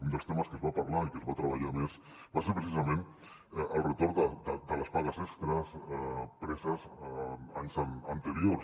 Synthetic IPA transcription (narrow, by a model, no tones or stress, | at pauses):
und̪əlˠst̪eməskəzβapaɾlaikəzβat̪ɾəβaʎames | baseɾpɾəsizɐmẽn | əlˠrət̪oɾd̪əd̪əd̪ələspaɣəsɛkst̪ɾəsɛpɾɛsəzəansaənt̪əɾios